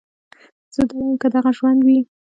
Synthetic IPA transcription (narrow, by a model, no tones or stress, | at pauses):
z̥əd̪awajəmkəd̪aɣaʒwand̪wi